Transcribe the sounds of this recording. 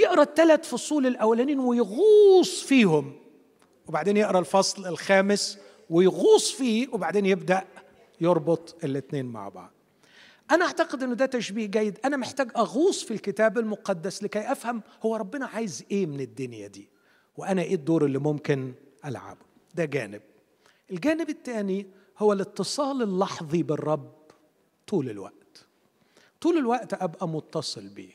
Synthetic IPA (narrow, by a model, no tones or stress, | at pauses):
jeʔɾˤɑt̪ːælæt̪fosˤuːlelʔæwːælæniːnwɪjɣuːsˤfiːhʊm | webaʕd̪eːnjeʔɾˤɑlfɑsˤlelxæːmɪs | wɪjɣuːsˤfiːwebaʕd̪eːnjebd̪æʔ | joɾˤbot̪ˤʔelːɪt̪neːnma̰ʕbɑ̰ʕd̪̚ˤ | ʔænæʔaʕt̪æqed̪ʔenːʊd̪æːt̪æʃbiːhɡæjːed̪ʔænæmeħt̪æːɡʔæɣuːsˤfilkɪt̪æːbælmoqɑd̪ːæslɪkæjʔæfhæmhowːæɾˤɑbːenɑʕaːjezʔeːmɪnɪd̪ːʊnjæd̪iː | weʔænæʔeːd̪ːoːɾˤelːimomkɪn | ʔælʕa̰ːbʊ | d̪æɡæːnɪb̚ | ʔelɡæːnɪbɪt̪ːæːni | howːælɪt̪ːɨsˤɑːlelːɑħðˤiberˤːɑb | t̪uːlɪlwæ̰ʔt̪ | t̪uːlelwæʔt̪ʔæbʔæmʊt̪ːɑsˤɨlbḭː